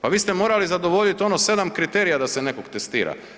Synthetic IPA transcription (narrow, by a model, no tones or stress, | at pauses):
paʋiːst̪emo̞ːɾalizad̪o̞ʋo̞ʎit̪o̞nose̞d̪amkɾit̪e̞ːɾijad̪ase̞ne̞kokt̪est̪iːɾa̰